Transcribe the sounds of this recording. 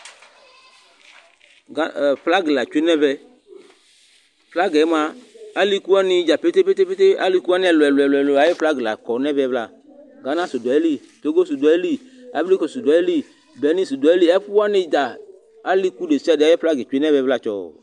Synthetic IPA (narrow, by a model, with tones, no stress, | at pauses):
fla˦ɡi˨la˨t͡ʃe˦nɛ̃˦vɛ˧ | fla˦ɡɛ˨˦mã˨a˦li˦ku˦a˦nɪ˦d͡ʒa˨pe˦t̪e˦pe˦t̪e˦pe˦t̪e˦a̰˦li˦ku˦a˦n˦ɛ˨lo˨ɛ˨lɛ˨lʊ˨ɛ˨lo˨a˨˦je˦fla˦ɡla̰˨kɔ˨nɛ̃˦vɛ˦vla̰˨ | ɡa˨nã˦so˨dɔ˨e˦li˦ | t̪o˨˦ɡo˦su˨dɔ˨e˦li˦ | a̰˨bli˦ko˨su˨da˨˦e˦li˦ | bɛ˨˦nĩ˦˨su˨dɔ˨e˦li˦ɛ˦ɸu˦wa˦nɪ˦d̪a˨ | a˦li˦ku˦ɖe˨si˦a˦dɪ˨a˨˦je˦fla˦ɡɛ˨t͡ʃu˨˦e˦nɛ̃˦βɛ˧vla˦t͡ʃɔ̰˨